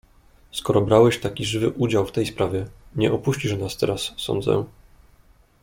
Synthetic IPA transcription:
skɔɾɔbɾawɛɕt̪akʲiʐɘvɘʔud͡ʑawft̪ɛjspɾavʲjɛɲɛʔɔpuɕt͡ɕiʐnast̪ɛ̰ɾasːɔ̰nd̪zɛ̰

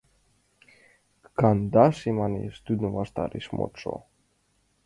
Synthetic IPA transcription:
kand̪aʃimanḭst̪yd̪nuvast̪a̰ɾiʃmo̰t͡ʃo̰

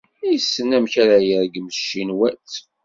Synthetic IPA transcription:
isːənæmçaɾajəɾɡəmʃːinwæt͡s

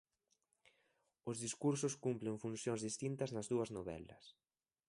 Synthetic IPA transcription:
ʊzðiskuɾsʊskumpleŋfunsjoŋzðist̪int̪ɐznɐzðuɐznoβɛ̰lɐ̰s

